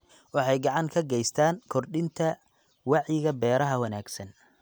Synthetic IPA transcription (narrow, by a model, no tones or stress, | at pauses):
wɑħɑjɡɑʕɑŋkʰɐɡɛjst̪ʰaːŋkʰɔrɗɪnt̪ʰɐ | wɑʕjɪɣɐbɛːɾɐɦɐwɑnaːɡsɐn